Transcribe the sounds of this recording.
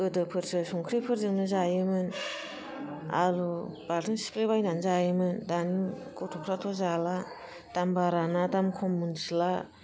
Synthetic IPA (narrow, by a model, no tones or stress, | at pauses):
ɯdɯpʰɯɾsɯsuŋkʰɾipʰɯɾzɯŋnɯzajɯmɯn | a̰ɾub̥aɾtʰɯnsi̥klebajnanzajɯmɯndani | kutʰɔkʰɾatʰɔzala | d̥ambaɾanadamkʰɔmːunsila